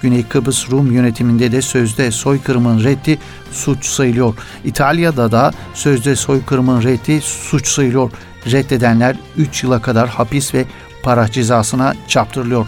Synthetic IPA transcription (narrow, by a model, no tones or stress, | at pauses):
ɟ̥ynɛjkʰɯbɯsɾumjø̞net̪ʰimind̪ɛd̪ɛsø̞zd̪ɛso̞jkʰɯɾmɯnɾɛt̪ʰːi | sut͡ʃsajɯlˠɯjo̞ɾ | it̪ʰalʲjad̪ad̪asøzd̪ɛso̞jkʰɯɾmɯnɾɛt̪ʰːisut͡ʃsajɯlˠɯjo̞ɾ | ɾɛt̪ʰːe̞d̪ænlʲæɾ | yt͡ʃjɯlˠakʰad̪aɾhapisvɛ | pʰaɾahd͡ʒezaːsɯnat͡ʃʰap̚t̪ʰɯɾɯlˠɯjoɾ